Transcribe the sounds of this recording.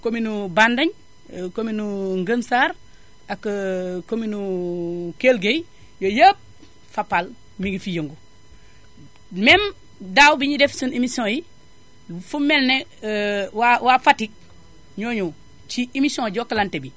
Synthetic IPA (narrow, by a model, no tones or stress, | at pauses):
kominubandɐɲ | kominuŋɡənsaːɾ | akːkominu | kelɡej | jojap̚ | fapal | miŋɡifijəŋɡu | men | dawbiɲidefsunimisõji | fumelne | wawafatik̚ | ɲoːɲu | t͡ʃiimisõɟokalantebi